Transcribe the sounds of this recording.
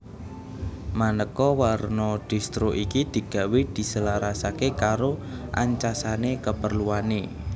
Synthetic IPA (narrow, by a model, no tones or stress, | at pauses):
manəkɔwarnɔɖ̪̥i̤st̪ɾoʔikid̪̥i̤ɡ̥ä̤wed̪̥i̤səlaɾasakekaɾoʔa̰ɲt͡ʃasanekəpərluane